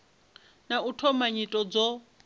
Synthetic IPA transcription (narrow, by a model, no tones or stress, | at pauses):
nautʰɔmaɲitʼɔd͡zɔ